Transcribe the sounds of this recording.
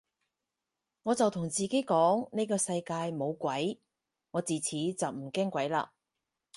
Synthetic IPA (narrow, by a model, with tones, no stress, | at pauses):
ŋɔː˨˧t͡sɐ˨wt̪ʰʊ˨˩ŋt͡siː˨ke˨˥jkɔː˨˥ŋne˥jkɔː˧sɐ˧jkaː˧jmo˨˧wkʷɐ˨˥j | ŋɔː˨˧t͡siː˨t͡sʰiː˨˥t͡sɐ˨wm̩˨˩kɛː˥ŋkʷɐ˨˥jla̰ː˧